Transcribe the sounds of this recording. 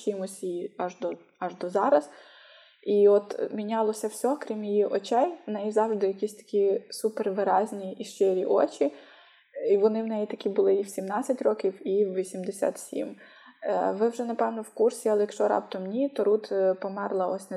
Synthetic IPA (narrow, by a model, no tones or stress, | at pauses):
t͡ʃʲimʊsʲiɑʒd̪ɔ | ɑʒd̪ɔzɑɾɐz̥ | iɔt̪mʲinʲɑlˠɔsʲɐwsʲɔkɾʲimjijiʔɔt͡ʃɛjwnɛjizɑwʒd̪ɪjɐkʲisʲt̪ɐ̥kʲisuperʋɪɾɑzʲnʲiʔːʃt͡ʃɪɾʲiʔɔt͡ʃi | iʋɔnɪwnɛjit̪ɐkʲibʊlˠɪiwsʲimnɑt͡sʲːɐtʲrɔkʲiwiwʋʲisʲimd̪esʲa̰t̪sʲḭm | ʋɪwʒɛnɐpɛwnɔwkursʲiɐlˠɛjɐkʃt͡ʃɔɾɑ̰pt̪ɔmnʲit̪ɔɾut̪pɔmɛrlˠɐɔsʲnɛ